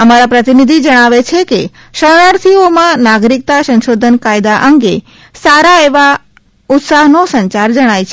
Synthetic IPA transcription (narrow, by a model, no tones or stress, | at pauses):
əmaɾapɾət̪inid̪ʱid͡ʒəɽ̃aʋet͡ʃʰeke | ʃənaɾt̪ʰiomãnaɡɾik̚t̪asə̃nʃod̪ʱənkajd̪aʔəŋɡe | saɾaeʋa | ʊt̪saɦnosəɲt͡ʃaɾd͡ʒəɽ̃ajt͡ʃʰe